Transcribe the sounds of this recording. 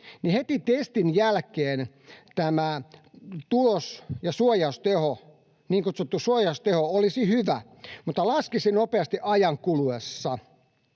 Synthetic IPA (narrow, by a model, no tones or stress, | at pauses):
nihet̪it̪est̪injælkeːn | t̪æmæ | t̪ulosjɑsuojɑust̪eho | niːŋkot̪sut̪ːusuojɑust̪ehoolisihyʋæ | mut̪ːɑlɑskisinopeɑst̪iʔɑjɑŋkuluesːɑ